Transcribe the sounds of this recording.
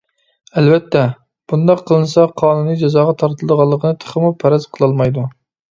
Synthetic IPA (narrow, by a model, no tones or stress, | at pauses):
ɛlvɛt̪ʰːɛ | b̥und̪ɑqʰːəlˠɨnɨsɑqʰɑːnunijd͡ʒɛzɑːʁɑt̪ʰɑɾt̪ʰɨlˠɨd̪əʁɑlˠːəqʰənɨt̪ʰə̥χəmupʰɛɾɛz̥qʰəlˠɑlˠmɑjd̪u